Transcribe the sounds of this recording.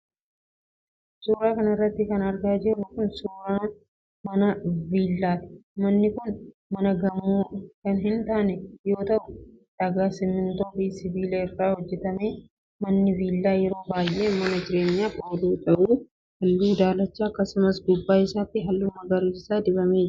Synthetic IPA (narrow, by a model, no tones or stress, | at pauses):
suːɾaːkɐnɐɪrːɐt̪ːɪkɐnɐɾɡaːd͡ʒɪrːukʊnsuːɾaː | mɐnɐviːlːaːt̪ɪ̥mɐnːɪkʊn | mɐnɐɡɐmoːkɐnɦɪnt̪aːnɛjo̞ːt̪ɐʔʊd̪̥ɐɡaːsɪmɪnt̪o̞ːbiːsɪviːleɪrːaːhɔd͡ʒːɛt̪ɐme̞ː | mɐnːɪviːlːaːjɛɾo̞ːbaːjʔe̞ːmɐnɐd͡ʒɪɾe̞ːɲːaːpʼoːluːt̪ʼɐʔuː | hɐlːuːd̪aːlɐt͡ʃːaːɐkːɐsʊmɐsd̪ʊbːaːɪsaːt̪ːɪɦɐlːuːmɐɡɐɾiːsaːd̪ɪbɐme̞ːd͡ʒ